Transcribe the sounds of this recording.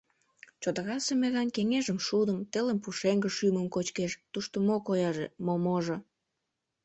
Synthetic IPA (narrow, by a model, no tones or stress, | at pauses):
t͡ɕod̪əɣɑsemeɣɑnkeŋeʒəmʃud̪əmt̪eləmpuʃeŋɡə̆ʃyməmkot͡ɕkeʃt̪uʃt̪omokojɑʒḛmomoʒo